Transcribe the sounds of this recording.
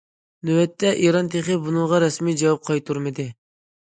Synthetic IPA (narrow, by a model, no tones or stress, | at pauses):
nywɛt̪ʰːɛʔiɾɑnt̪ʰeχəbunɨŋʁɑɾɛsmid͡ʒɛwɑp̚qʰɑjt̪ʰuɾmɨd̪ɨ